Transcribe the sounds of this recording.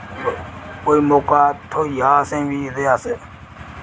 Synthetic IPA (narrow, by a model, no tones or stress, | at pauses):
koːiːmoːkaːt̪ʰoːijaːsẽːʋiːɾeːaːseː